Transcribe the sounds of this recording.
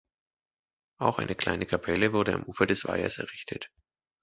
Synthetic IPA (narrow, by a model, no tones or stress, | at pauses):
ʔaʊxʔa̰ɪnəkl̥a̰ɪnəkʰapʰɛləvʊɐdəa̰mʔuːfɐdɛsv̥a̰ɪɐ̰sɛɐʁɪçtʰət